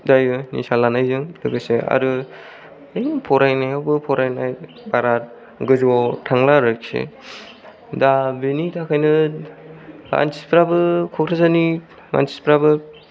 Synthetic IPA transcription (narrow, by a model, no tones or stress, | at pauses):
dajɯnḭsalanajzɯŋdɯɡɯsea̰ɾɯ | ejnpʰɔɾajnajawbɯpʰɔɾajnaj | baɾat̚ | ɡɯzwawtʰaŋlaɾɯksḛ | dabenitʰakʰajnɯ | a̰nsʰi̥spɾabɯkʰɔkʰɾazani | ma̰nsi̥spɾabɯ